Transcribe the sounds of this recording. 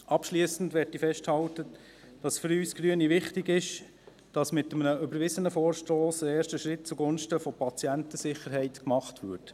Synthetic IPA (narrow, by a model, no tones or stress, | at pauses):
ʔɑpʃliəsən̩dʋɛɾtːifɛʃthɑltə | d̥ɑsfʏɾyːsɡ̥ɾyːəniʋɪχtɪɡɪʃ | d̥ɑsmɪtəmnəʏbəɾʋɪzənəfoːɾʃtoːsəɛːʃtəʃɾɪt̚t͡suɡʊnʃtəfɔpɑt͡sjæntəsɪχəɾɦɛɪtkmɑχtʋʏːt